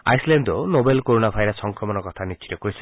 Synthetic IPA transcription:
a̰jslend̪ɔnobelkoɾonapʰajɾasɔŋkɾɔmɔnɔkɔt̪ʰanit͡ʃʰi̥tɔkoɾis

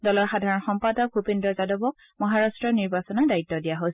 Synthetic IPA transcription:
dɔlɔɹxadʱaɹɔnxɔmpadɔk̚bʱupendɹɔzadobɔk̚ | mɔɦaɹastɹɔniɹbasɔnadaitːɔdijaɦos

